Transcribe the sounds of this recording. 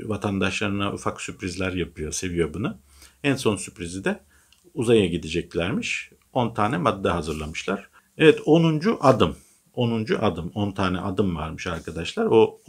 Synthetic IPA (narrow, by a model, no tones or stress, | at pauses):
vat̪ʰand̪aʃlˠaɾɯnaʔufaksypɾizlʲæɾjapɯjo̞se̞vijo̞bunu | ænso̞nsypɾizid̪ɛ | uzajaɟid̪id͡ʒɛclʲæɾmiʃ | o̞nt̪ʰaːnʲɛmad̪ːaɦazɯɾlˠamɯʃlˠaɾ̥ | evɛt̪ʰo̞nund͡ʒuʔad̪ɯm | o̞nund͡ʒuʔad̪ɯmo̞nt̪ʰaːnɛʔad̪ɯmva̰ɾmɯʃaɾkʰad̪aʃlˠaɾo